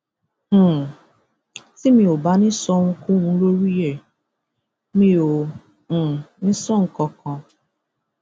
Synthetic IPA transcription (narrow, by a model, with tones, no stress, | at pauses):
si˦mĩ˨o˨ba˨˦nɪ̃˦sɔ˦ŋ̩˦ku˦ũ˨˧˦lo˦ɾi˦e˨ | mĩ˦õ˨ | nĩ˦sɔ˦ŋ̩˨kɔ˨kʰɔ̃˨